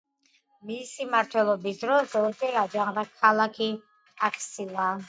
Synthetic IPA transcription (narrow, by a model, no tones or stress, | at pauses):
misimaɾt̪ʰwɛlˠɔbisd̪ɾɔsɔɾd͡ʒɛɾad͡ʒaŋd̪akʰalˠakʰi | akʰsilˠa